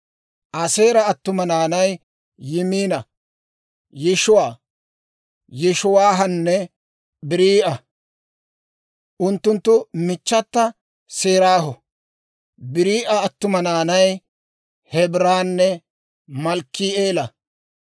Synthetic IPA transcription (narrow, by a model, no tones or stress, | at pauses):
ʔɐseːɾɐːt̪ːʊmɐnaːnɐjː | ɪmiːnɐ | jɪʃʊwaː | jɪʃʊwaːɦɐnːɛ | bɪɾiːʔɐ | ʔʊnt̪ːʊnt̪ːʊmɪt͡ʃːɐt̪ːɐ | seːɾaːɦɔ | bɪɾiːʔɐɐt̪ːʊmɐnaːnɐj | hɛbɾaːnːɛ | mɐlkːiːeːlɐ